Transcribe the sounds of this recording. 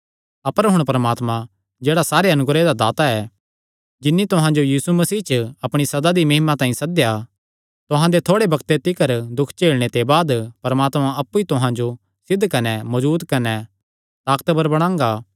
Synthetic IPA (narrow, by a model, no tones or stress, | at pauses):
ɐpəɾɦʊɽ̃pɐɾəmaːt̪mã | d͡ʒeːɽasaːɾeɐnʊɡɾed̪ad̪aːt̪aɛː | d͡ʒɪnːit̪ʊɦãd͡ʒojiːsumɐsiːt͡ʃəɐpɽ̃isɐd̪ad̪imɐɦɪmat̪ãːĩsɐd̪ja | t̪ʊɦãd̪et̪ʰoːɽebɐkt̪et̪ɪkəɾd̪ʊkʰt͡ʃeːɭɽ̃et̪ebaːd̪pɐɾəmaːt̪mãʔɐpːuit̪ʊɦãd͡ʒo | sɪd̪ʱkɐnɛmɐd͡ʒuːd̪kɐnɛ | t̪aːkt̪bəɾbɐɽ̃ãːŋ̆ɡaː